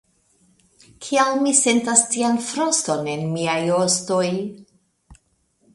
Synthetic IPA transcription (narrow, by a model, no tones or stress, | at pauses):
kʰiawmise̞ntastianfɾosto̞ne̞nmiajosto̞j